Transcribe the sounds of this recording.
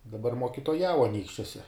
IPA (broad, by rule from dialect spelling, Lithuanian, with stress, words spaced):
dɐˈbɐr moːkʲɪtoːˈjɛʊ ɐˈnʲiːkʃʲt͡ʃʲuɔsʲɛ